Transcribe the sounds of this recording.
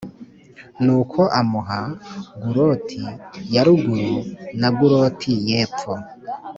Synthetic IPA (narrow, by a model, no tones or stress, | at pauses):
nukʰoʔamuɦaɡuɾotʰijaɾuɡuɾunaɡuɾoːtʰijeːp̪fo